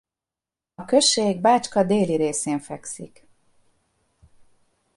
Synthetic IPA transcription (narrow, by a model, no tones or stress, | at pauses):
ɒkø̞ʃːeːɡ̚baːt͡ʃkɒd̪eːliɾeːseːɱfɛksḭk